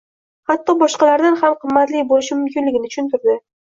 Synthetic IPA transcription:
hat̪ːɒbɒʃqɑlaɾd̪anhamqʰɨmːat̪lɪbolɪʃɪmʊmkʲɪnlɪɡʲɪnɪtt͡ʃʰʊ̥ʃʊnt̪ʊɾd̪ɪ

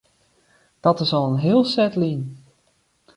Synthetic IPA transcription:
d̥ɔtɪsoənɦɪːəlˠsɛtlin

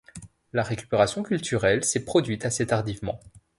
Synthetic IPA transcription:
laʁekʲy̥peʁasjɔ̃kʲylt̪ʰyʁɛlsɛpχɔd̪ɥit̪aset̪aʁd̪ivmɑ̰̃

